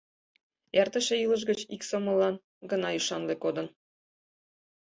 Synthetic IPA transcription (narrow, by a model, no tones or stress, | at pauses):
jært̪ə̆ʃĕjɯlˠə̆ʒ̬ɡə̆t͡ɕiksomɤ̆lɑn | ɡɤ̆nɑyʃɑnlekod̪ɤ̆n